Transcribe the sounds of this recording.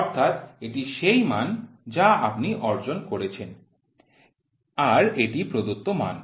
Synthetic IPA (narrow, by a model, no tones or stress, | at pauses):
ɔɾt̪ʰat̪eʈiʃejmand͡ʑaa̰pniʔɔɾd͡ʑonkoɾet͡ɕʰen | aɾeʈipɾod̪ut̪ːoma̰n